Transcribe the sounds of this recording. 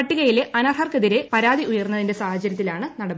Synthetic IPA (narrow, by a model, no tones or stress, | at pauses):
ɐʈːiɣɐjile̞ʔɐnɐrɦɐrkɐðiɾe̞pɐɾaːðiʔujɐrnːɐðinde̞saːhɐt͡ɕːɐɾjɐt̪ːilaːɳɨnɐɽɐb